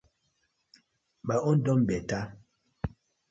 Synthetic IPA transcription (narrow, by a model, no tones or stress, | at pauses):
baɔndɔmbɛta